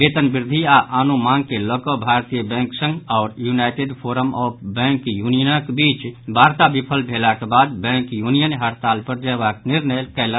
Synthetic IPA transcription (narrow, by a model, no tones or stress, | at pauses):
bet̪ənbiɾd̪ʱiaʔanumaŋɡ̚keləkəbʱaɾt̪ijəbɛ̃ŋksə̃ŋɡaʊɾjunajʈeɖpʰoɾəmɔpʰbɛ̃ŋkjunijənəkbit͡ʃbʱaɾt̪abipʰəlbʱelakebad̪bɛ̃ŋkjunijənɦəɾt̪alpəɾd͡ʒəbakniɾnəlkɛɪla